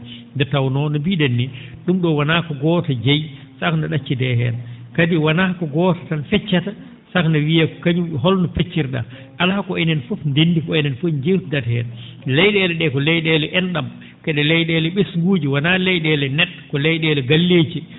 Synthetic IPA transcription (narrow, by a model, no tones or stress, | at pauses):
ndɛɾtawnɔnɔbidenːiɗumɗɔwanaːkɔɡɔtad͡ʒej | saknaɗat͡ʃːidɛɦɛ̰nkadiwanakɔɡɔtḁtanfɛt͡ʃːata | sakndawijakɔ̥kaɲumɦɔlnɔfet͡ʃːiɾɗa̰ | ʔalakɔɛnɛnfɔfndendikɔɛnɛnfoɲd͡ʒewtdathɛ̰nlɛjɗɛːlɛɗɛkɔlɛjɗɛlɛʔɛnɗam | kɛɗɛlɛjɗɛlɛɓesɡuːd͡ʒiwanalɛjɗɛlɛnɛt̚kɔlɛjɗɛlɛɡalːet͡ʃi